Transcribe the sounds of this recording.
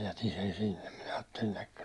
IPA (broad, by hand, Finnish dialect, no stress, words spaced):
jætin sen sinːem minæ ɑːtːelin̞ əkːə